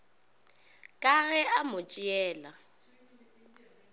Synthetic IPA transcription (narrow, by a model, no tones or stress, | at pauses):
kʼaɣɛʔamʊt͡ʃʼɪɛːla